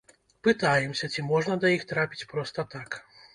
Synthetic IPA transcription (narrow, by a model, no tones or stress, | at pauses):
pɨt̪ajɛmsʲɐt͡sʲimɔʐnɐd̪ɐjixt̪ɾapʲi̥t͡sʲpɾɔst̪ɐt̪ak